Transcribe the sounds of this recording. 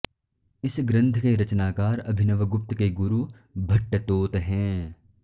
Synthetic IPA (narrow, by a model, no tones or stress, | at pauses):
ɪsɡɾɐ̃nt̪ʰkeɾɐt͡ʃnaːkaːɾɐbʱɪnəʋəɡʊp̚t̪keɡʊɾu | bʱɐʈːət̪oːt̪ɦɛ̃ː